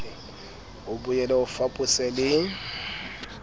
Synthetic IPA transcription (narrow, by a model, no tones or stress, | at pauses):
ʊbʊjɛlɛʊfapʼʊsɛlɪ